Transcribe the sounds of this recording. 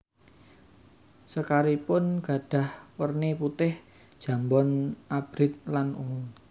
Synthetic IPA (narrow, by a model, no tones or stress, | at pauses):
səkaɾipʊnɡ̥a̤ɖ̥a̤hwərneput̪ɪh | d̥ʒ̥ä̤mbɔnʔab̥ɾɪt̪̚lanṵŋuŋ